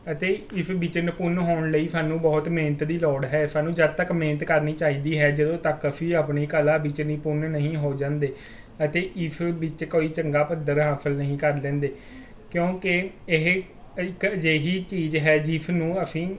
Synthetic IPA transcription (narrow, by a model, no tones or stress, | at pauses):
ət̪eːɪpʰbɪt͡ʃənpʊnɦoːɳləiːsaːnũːbɔːt̪meːnət̪d̪iːlɔːɽɦɛːsaːnũːd͡ʒəd̪̚t̪əkmeːnət̪kəɾniːt͡ʃaːiːd̪iːɦɛːd͡ʒəd̪õːt̪əkːəpʰĩːaːpniːkəlaːbɪt͡ʃniːpʊnnəɦĩːɦoːd͡ʒãːnd̪eː | ət̪eːʔɪpʰbɪt͡ʃkoːiːt͡ʃəŋɡaːpəd̪əɾɦaːsəlnəɦĩːkəɾlɛ̃ːnd̪eː | kjõːkɪ | ɪɦ | ɪkd͡ʒeːɦiːt͡ʃiːd͡ʒɦɛːd͡ʒɪpʰnũːəpʰĩː